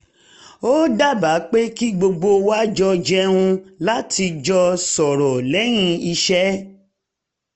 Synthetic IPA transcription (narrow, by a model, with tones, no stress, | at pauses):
o˦da˦˨ba˨˦k͡pe˦ki˦ɡ͡bo˧ɡ͡bo˧wa˦d͡ʒɔ˧d͡ʒɛ˧ɾũ˧la˦tʰi˧d͡ʒɔ˧sɔ˨ɾɔ˨lɛ˨˦ɾ̃ĩ˧i˧ʃɛ˦